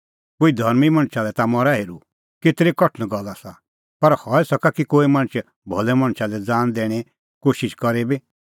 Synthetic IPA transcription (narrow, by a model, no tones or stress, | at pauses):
koːid̪ʱɐɾmimɐ̃ɳ̃t͡ʃʰalɛt̪amɔɾaɦeːɾu | ket̪ɾekɔʈʰñɡɔlːasa | pɐɾhɔːɛsɐkakikoːimɐ̃ñt͡ʃʰɛ | bʱɔlɛmɐ̃ɽ̃t͡ʃʰalɛd͡zaːnd̪ɛːɽ̃e | koːʃɪʃkɔɾebi